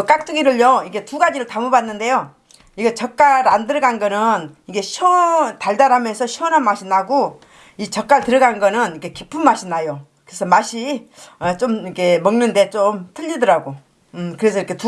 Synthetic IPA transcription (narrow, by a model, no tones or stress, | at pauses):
k͈ak̚t͈ɯɡiɾɯɭjʌiɡe̞tuɡad͡ʑiɾɯɭtamubanːɯnde̞jo | iɡet͡ɕʌk͈̚aɾandɯɾʌɡanɡʌnɯniɡe̞ɕʰotaɭdaɾɦamjʌnsʰʌɕʰuʌnɦanmaɕʰinaɡo | it͡ɕʌk͈aɭtɯɾʌɡanɡʌnɯnikʰe̞kipʰɯmːaɕʰinajokɯɾesʰʌmaɕʰi | ʌt͡ɕ͈omikʰe̞mʌŋnɯnde̞t͡ɕomtʰɯʎːidʌɾaɡo | ɯkɯɾe̞sʰʌiɾikʰe̞tu